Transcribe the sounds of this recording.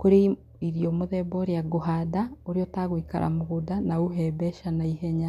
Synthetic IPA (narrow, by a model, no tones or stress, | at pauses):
koɾe | iɾjomoðɛbɔɾjaɡoɦadaoɾiɔtaɣwika̰ɾʔa̰moɣudanauɦɛbɛʃanaiɦɛɲa